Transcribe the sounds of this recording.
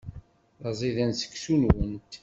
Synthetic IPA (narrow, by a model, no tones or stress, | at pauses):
ðɑzˤiðænsə̥kːsunwənt̪